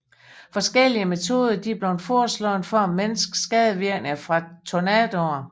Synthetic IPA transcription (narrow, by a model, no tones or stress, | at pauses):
fɒ̽sɡ̥el̰iəme̝t͡sʰo̝ːð̞ˠɐd̥ib̥le̝ʊnfɒːslɒːn̩fɒmːensɡ̥sɡ̥ɛð̞ˠəʋiɐ̰ɡ̥nəfʁɑ̈t͡sʰonɛd̥oɐ